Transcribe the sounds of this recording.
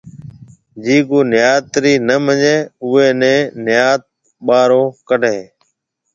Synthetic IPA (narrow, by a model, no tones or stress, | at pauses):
d͡ʒiːkoːnɪjaːt̪ɾiːnəməɲeːʊeːnẽːnɪjaːt̪̚ | ɓaːɾoːkəɖʱẽː